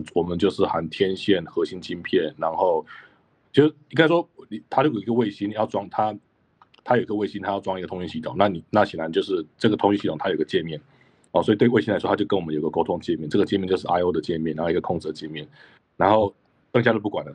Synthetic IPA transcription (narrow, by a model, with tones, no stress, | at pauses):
wɔ˨˩mə˨˦nt͡ɕjo˥˧ʊʂɻ̩˥˩xa˧˥nt̪ʰjɛ˦˥nɕjɛ˥˨˩nxɤ˧˥ɕi˥nt͡ɕi˥npʰjɛ˥˨˩nɻa˧˥nxo˥˧ʊ | t͡ɕjo˥˧˩i˥ŋka˥ɪʂ̬wɔ˥˨ni˨˩t̪ʰa˥t͡ɕjo˥˩jo˨˩˨ɡə˧we˥˩ɪɕi˥˦ni˨˩jɑ˥˧ʊʈ͡ʂwɑ˥ŋt̪ʰa˥ | t̪ʰa˥jo˨˩i˧ɡə˧we˥˩ɪɕi˥˦nt̪ʰa˥jʊʈ͡ʂwɑ˥˧ŋi˥ɡə˩ʊ˧˥ŋɕi˥ɕi˥˧t̪ʰo̰˨˩˦ŋna˥˨ni˨˩na˥˩ɕɛ˨˩nla˧˦nt͡ɕjo˥˧ʊʂɻ̩˥˧ʈ͡ʂɤ˥˩ɡə˩t̪ʰʊ˧˥ŋɕi˥ɕi˥˧˨ŋt̪ʰa˥ji˧ɡə˧t͡ɕjɛ˥˧nmjɛ˥˨n | ɔ̰˨˩swɔ˥˨t̪we˥˩ɪwe˥˩ɪi˥la˧˥ɪwɔ˥a˥jo˥˧ʊkə˦nwɔ˨m˦jo˨˩i˩ɡə˩ko˥ʊt̪ʰʊ˧˥ŋd̪t͡ɕjɛ˥˧mjɛ˥˨nʈ͡ʂɤ˥˩ɡə˩t͡ɕjɛ˥˧mɛ˥˧nt͡ɕjo˥˧ʂ̩˥˩ʔa˥ɪo˥ʊd̪ə˨t͡ɕjɛ˥˧nmjɛ˥˩nɻa˧˥xɡəkʰʊ˥˧ŋt͡s̩˥˩də˩t͡ɕjɛ˥˧nmjɛ˥˩n | ɻa˧˥nxo˥˩ʊ | tɤ˥˧ŋt͡ɕja˥to˥˧pu˥˩kwa˨˩nd̪ə˦